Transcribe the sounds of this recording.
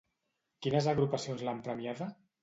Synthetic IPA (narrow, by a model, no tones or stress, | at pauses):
kinəzaɣɾupasionzlampɾəmiaða